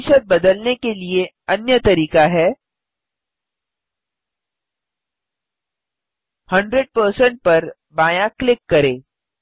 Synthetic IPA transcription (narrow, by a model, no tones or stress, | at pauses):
ʃət̪̚bɐd̪əlnekelie | ɐnjət̪ɐɾiːkaɦɛː | hɐ̃ɳɖɾəɖ̚pəɾsə̃ɳʈ̚pɐɾ | baːjãklɪkːɐɾẽː